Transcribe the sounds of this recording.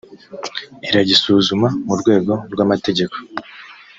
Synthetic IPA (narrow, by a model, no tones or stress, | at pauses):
iɾaɟisuːzumamuɾɡwe̞ːɡo̞ɾɡwamate̞ɟe̞ko̞̥